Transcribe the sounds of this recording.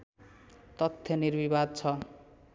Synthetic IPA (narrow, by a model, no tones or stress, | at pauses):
t̪ʌt̪ʰːjʌnirbibad̪̚t͡sʰʌ